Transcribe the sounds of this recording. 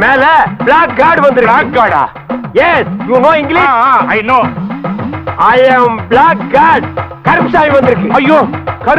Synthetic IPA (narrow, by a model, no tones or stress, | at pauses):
meːleblaːk̚ɡaːɾɖbɐnd̪iɾiaːk̚ɡaːɾɖa̰ː | jesjunoːĩŋɡliɐjloː | ajɐmblaːk̚ɡaːɾɖkɐɾpsaːjbɐ̃nd̪iɾikiɐjːokɐɾ